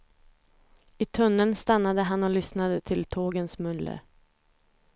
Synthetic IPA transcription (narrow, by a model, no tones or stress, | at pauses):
ɪt̪ʰɵnːənst̪anːad̪əɦanɔlʏsnad̪ət̪ʰɪlt̪ʰoːɡənsmɵnlə̰